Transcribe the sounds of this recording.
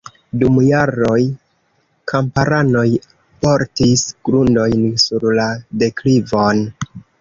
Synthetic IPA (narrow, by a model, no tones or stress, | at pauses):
dumjaɾo̞j | kʰampaɾano̞j | po̞ɾtisɡ̥ɾundo̞jnsuɾlade̞klivo̞n